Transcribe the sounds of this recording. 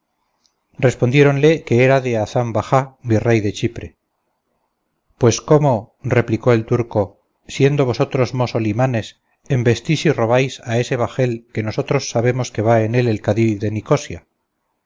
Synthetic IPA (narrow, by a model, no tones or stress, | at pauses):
respo̞nd̪je̞ɾo̞nle̞ke̞eɾaðe̞aθambaxabire̞jðe̞t͡ʃipɾe̞ | pwe̞sko̞mo̞ | re̞pliko̞e̞lt̪uɾko̞ | sje̞nd̪o̞β̞o̞so̞t̪ɾo̞zmo̞so̞limane̞s | e̞mbe̞st̪isiro̞β̞ajsae̞se̞β̞axe̞lke̞no̞so̞t̪ɾo̞sːaβe̞mo̞ske̞βae̞ne̞le̞lkaðiðe̞niko̞sja